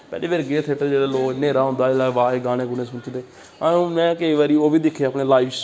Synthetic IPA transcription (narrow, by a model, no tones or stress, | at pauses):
pɛ̰ːleːbeːɾɡeːt̪ʰeʈəd͡ʒeːɽaːloːkneːɾaːɦʊ̃nd̪aːɪlaːʋaːeːɡaːɽ̃ẽːkʊnẽːsʊnt͡ʃd̪eː | aõmɛ̃ːkəiːʋaːɾiːoːʋiːd̪ɪkʰeaːpneːlaːips